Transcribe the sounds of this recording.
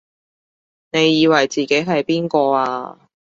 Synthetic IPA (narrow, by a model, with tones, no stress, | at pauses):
ne˨˧jːiː˨˧wɐ˨˩jt͡siː˨ke˨˥jɦɐ˨jpiː˥nkɔː˧aː˧